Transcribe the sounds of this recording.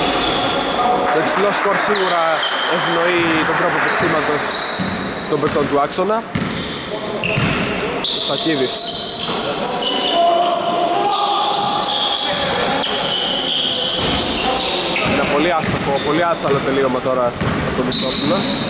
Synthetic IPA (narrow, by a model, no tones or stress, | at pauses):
t̪oeksiloskoɾsiɣuɾɐevno̞it̪od̪ɾopop̪uksimɐt̪os | t̪o̞mbet͡so̞nt̪uɐkso̞nɐ | esɐciðis | enɐpo̞liɐsopopo̞liɐsɐlot̪eliomɐt̪o̞ɾɐs | t̪ɐt̪omisosilɐ